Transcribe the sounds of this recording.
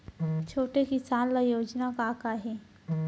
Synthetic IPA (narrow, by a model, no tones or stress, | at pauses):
t͡ʃʰoːʈekɪsaːnlajoːd͡ʒnakakaɦe